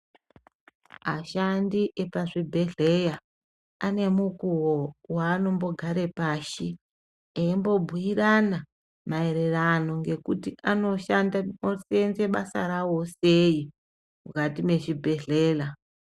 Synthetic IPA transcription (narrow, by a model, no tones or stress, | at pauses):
aʃandiʔe̞paʐibʱe̞ɮe̞ja | ane̞mukuwowaːno̞mbo̞ɡʱaɾe̞paːʃi | eimbo̞bʱuirana | mae̞ɾe̞rano̞ŋɡe̞kutiʔano̞ʃandaosenze̞ɓasa̰ɾawo̞se̞i | mukatime̞ʐibʱe̞ɮe̞ːla